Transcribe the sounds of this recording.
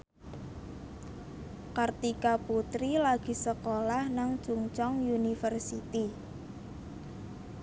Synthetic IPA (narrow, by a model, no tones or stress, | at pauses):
kart̪ikaput̪ɾilaɡ̥i̤səkolahnaŋ̥ʒ̥uŋt͡ʃɔŋjunifərsit̪i